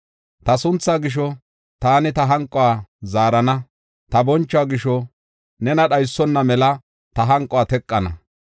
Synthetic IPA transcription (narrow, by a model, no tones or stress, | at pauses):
t̪ɐsʊnt͡sːaːɡɪʃ̬ɔ | t̪aːnɪt̪ɐɦɐŋkʼɔaːzaːɾɐnɐ | t̪ɐbɔnt͡ʃːaːɡɪʃɔ | nɛnɐɗɐjsːɔnːɐmɛlɐ | t̪ɐɦɐŋkʼɔaːt̪ɛkʼːɐnɐ̰